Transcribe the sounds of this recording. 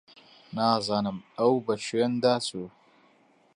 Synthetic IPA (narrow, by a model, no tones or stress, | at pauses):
nazanəmawbaʃijɐndasu